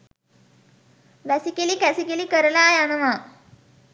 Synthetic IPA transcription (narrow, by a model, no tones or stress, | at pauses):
ʋæsikelikæsikelikəɾəlajanəʋa